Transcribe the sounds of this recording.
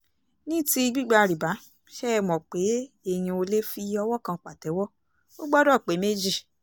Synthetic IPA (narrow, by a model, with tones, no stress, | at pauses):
nĩ˦ti˧ɡ͡bi˦ɡ͡ba˧ɾi˨ba˨˦ | ʃɛ˦˧mɔ̃˨k͡pe˨˦ | e˦˧j̃ĩ˧o˧le˦fi˧˦ɔ˧wɔ˦kã˧˨k͡pa˨tɛ˨˦wɔ˦ | o˦ɡ͡bɔ˦dɔ˦˨k͡pe˨˦me˦d͡ʒi˦˨